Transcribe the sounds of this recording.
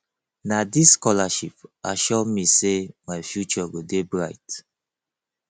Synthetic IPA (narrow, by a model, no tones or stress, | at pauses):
nadiskɔlaʃip̚aʃɔmisemajfjut͡ʃɔɡudebɹaɪt